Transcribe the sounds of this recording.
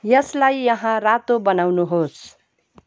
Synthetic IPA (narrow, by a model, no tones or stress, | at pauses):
jʌslajːʌɦãrat̪obʌnawnuɦos